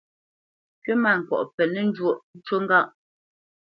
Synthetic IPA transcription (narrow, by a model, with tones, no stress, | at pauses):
kɥe˦ma˦˨ŋ̩˨kwɔ̰˨ʔpɛ˨nɛ˦n̩˦d͡ʒwo˦˨ʔt͡ʃwo˦ŋ˦ɡa˦˨ʔ